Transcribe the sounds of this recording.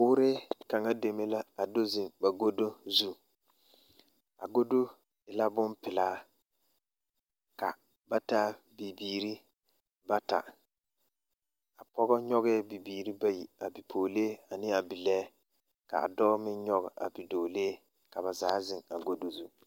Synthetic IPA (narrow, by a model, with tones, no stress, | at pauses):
ʊː˦ɾɪ˦ka˨ŋa˦de˨me˦la˦a˨do˦zɪ˨ŋba˨ɡo˦do˦zu˦ | a̰˨ɡo˦do˦ | ɪ˨la˦bʊ˦npɪ˨laː˦ | ka̰˨ | ba˦taː˦ | bi˨biː˨ɾi˦ | ba˦ta̰˨ | a˨pɔ˦ɣɔ˦ɲɔ˦ɣɛ˦bi˨biː˨ɾi˦ba˦jḭ˨a˨bi˨pʰoː˨leː˦a˨nɪ˦a˨bi˨lɛː˦ | ka̰˨a̰˨dɔː˦mɪ˦nɲɔ˦ɣɔ˨a̰˨bi˨doː˨leː˦ | ka˨βa˨zaː˨˦zɪ˨ŋa̰˨ɡo˦do˦zu˦